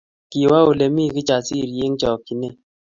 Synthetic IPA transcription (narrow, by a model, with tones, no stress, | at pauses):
ki˨wa˦o˨le˨mi˦˨ki˦t͡ʃa˨si˦˨ɾje˦ŋt͡ʃɔ˨kːi˨ne˦˨